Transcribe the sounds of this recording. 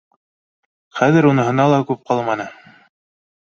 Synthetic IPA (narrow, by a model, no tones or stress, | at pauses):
χæðɘɾunɤ̆ɦɤ̆nɑlˠɑkʉp̚qɑlˠmɑnɤ